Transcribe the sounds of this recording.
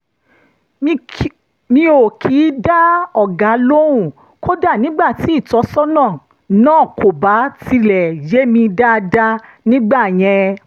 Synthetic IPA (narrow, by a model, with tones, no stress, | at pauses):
mĩ˧o˨kʰiː˨˦da˦ɔ˦˨ɡa˨˦lo˦ɾ̃ũ˦˨ | ko˦da˦˨nĩ˦ɡ͡ba˦˨ti˨˦i˦˨tɔ˨˧˦sɔ˦nã˦˨ | nãː˦˨ko˨ba˨˦ti˧lɛ˨je˨˦mĩ˧da˦˧da˦ | nĩ˦ɡ͡ba˦˨j̃ɛ̃˧